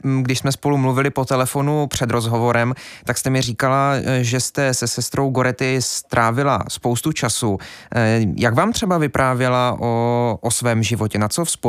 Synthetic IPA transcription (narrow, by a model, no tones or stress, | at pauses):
ɡdɪʃsmɛspo̞lumluvɪlɪpo̞t̪ɛlɛfo̞nupr̝̥ɛd̪ɾo̞zɦovo̞ɾɛmt̪akst̪ɛmɪriːkalaʒɛst̪ɛsɛsɛst̪ɾo̞wɡo̞ɾɛt̪ɪst̪ɾʔaːvɪla̰spowst̪ut͡ʃasu | jaɡvaːmt̪r̝̥ɛbavɪpɾʔaːvjɛlaʔoʔosvɛːmʒɪvocɛnat͡sofsp